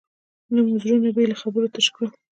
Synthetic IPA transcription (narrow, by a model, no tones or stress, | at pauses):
lamʊzɾunebelaxabəɾot̪aʃkə